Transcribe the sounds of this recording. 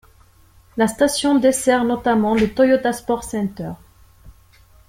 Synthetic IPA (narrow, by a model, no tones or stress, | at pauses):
last̪asjɔ̃d̪esɛʁnɔt̪amɑ̃let̪ɔjot̪aspɔʁsɛ̃nt̪œʁ